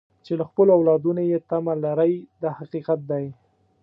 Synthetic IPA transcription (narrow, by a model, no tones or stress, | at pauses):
t͡ʃelaxpəloawlɑd̪unojet̪amalaɾəjd̪ahaqiqat̪̚d̪aj